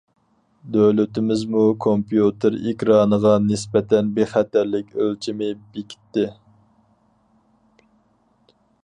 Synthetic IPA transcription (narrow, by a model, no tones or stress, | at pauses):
d̪ølyt̪ɪmɪzmukʰompjut̪ʰɨɾḭkʲɾɑːnəʁɑnɪspɛt̪ʰɛnbeχæt̪ʰæɾlɪkʲølt͡ʃʰimɪbekʲʰi̥t̪ːɪ